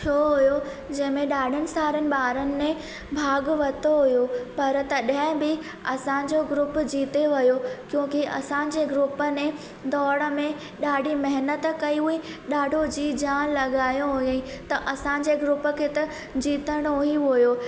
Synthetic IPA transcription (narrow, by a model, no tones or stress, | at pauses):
t͡ɕʰoːɦujo | d͡ʑɐ̃ɦɪ̃mẽɗaːɖʱənɪ̆saːɾənɪ̆ɓaːɾənɪ̆mẽ | bʱaːɡʊʋɐt̪ʰoɦujopɐɾt̪ɐɗɪ̃bɪ | ɐsã̆d͡ʑoɡɾʊpd͡ʑiːt̪eʋɐjokjõːkiʔɐ̰sã̆d͡ʑeːɡɾʊpənẽ | d̪ɔːɽəmẽ | ɗaːɖʱimɐɦɪnət̪kɐiɦuiɗaːɖʱod͡ʑiːd͡ʑaːnlɐɠaːjõɦʊĩt̪ɐʔɐsãd͡ʑeːɡɾʊpə̆kʰeːt̪ɐ | d͡ʑiːt̪əɽ̃oɦiɦujoː